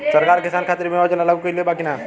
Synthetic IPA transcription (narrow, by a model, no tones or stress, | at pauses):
sɐɾkaːɾkɪsaːnkʰaːt̪ɪɾmẽɔːd͡ʒɐlɐləɡkoiloebaːkina